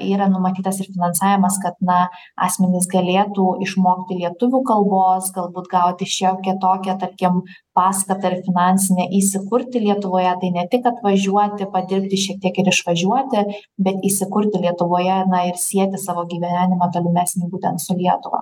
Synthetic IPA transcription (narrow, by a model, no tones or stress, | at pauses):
iːɾɐnʊmɐt̪ʲiːt̪ɐsɪɾfʲɪnɐnsɑːʋʲɪmɐskɐt̪nɐ | ɑ̰ːsʲmʲɛnʲɪs̬ɡɐlʲeːt̪uːɪʃmoːkʲt̪ʲɪlʲiɛt̪ʊʋʲuːkɐlˠboːsɡɐlˠbuːt̪ɡɐʊt̪ʲɪʃʲɛʊkʲɛt̪oːkʲɛt̪ɐɾʲkʲɪm | pɑːskɐt̪ɐɪɾfʲɪnɑːnʲsʲɪnʲɛʔiːsʲɪkʊɾʲt̪ʲɪlʲiɛt̪ʊʋoːjɛt̪ɐɪnʲɛt̪ʲɪkɐt̪ʋɐʒʲuɔt̪ʲɪpɐd̪ʲɪɾʲpʲt̪ʲɪʃʲiɛk̚t̪ʲiɛkɪɾɪʃʋɐʒʲuɔt̪ʲɪ | bʲɛt̪iːsʲɪkʊɾʲt̪ʲɪlʲiɛt̪ʊʋoːjɛnɐɪɾsʲiɛt̪ʲɪsɑːʋoːɡʲiːʋʲæːnʲɪmɐt̪oːlʲʊmʲæːsʲnʲiːbuːt̪ʲɛnt̪sʊlʲiɛt̪ʊʋɐ̰